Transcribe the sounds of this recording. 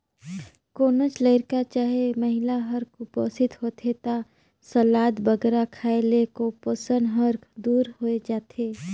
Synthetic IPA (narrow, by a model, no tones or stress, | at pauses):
koːnot͡ʃləɪɾkat͡ʃaːɦeməɦɪlaɦəɾkʰʊpəst̪ʰɪt̪ɦot̪ʰet̪a | səlaːd̪bəɡɾakʰaːelekoposənɦəɾkʰd̪uːɾɦoed͡ʒaːt̪ʰeː